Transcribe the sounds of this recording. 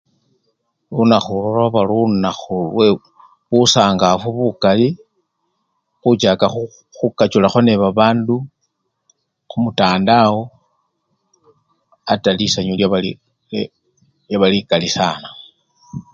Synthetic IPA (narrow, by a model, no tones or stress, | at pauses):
lunaxuloloβalunaxulwe | βusaːŋɡafuβukali | xut͡ʃakau | xukat͡ʃulaxo̞ne̞βaβaːndu | xumutaːndawo | atalisaɲoljaβali | ljaβalikalisaːna